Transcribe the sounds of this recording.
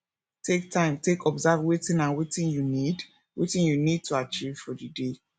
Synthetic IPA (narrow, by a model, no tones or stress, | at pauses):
tʰek̚tʰãɪ̃mtʰekɔbzavwetĩnãnwetĩnjunid | wetĩnjunid̚tʰuat͡ʃiv̥fɔdɨde